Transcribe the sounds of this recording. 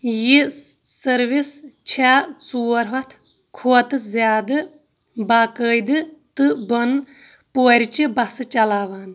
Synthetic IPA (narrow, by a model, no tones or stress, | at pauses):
jisɐɾʋist͡ʃʰaːt͡suːɾɦɐt̪ʰ | kʰoːt̪ɨzʲjaːd̪ɨ | baːkəːjd̪ɨt̪ɨbɐn | poːɾʲit͡ʃibɐsɨt͡ʃɐlaːʋaːn